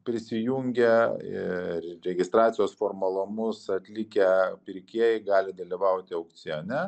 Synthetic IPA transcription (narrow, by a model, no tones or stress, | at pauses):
pʲɾʲɪsʲɪjuŋʲɡʲɛɪɾʲɛɡʲɪst̪ɾɑːt̪ʲɪjoːsfoːrmɐlˠʊmʊsɐt̪ʲlʲɪkʲɛpʲɪɾʲkʲiɛjɪɡɑːlʲɪd̪ɐlʲiʋɐʊt̪ʲɪɐʊk̪̚sʲɪɛnʲɛ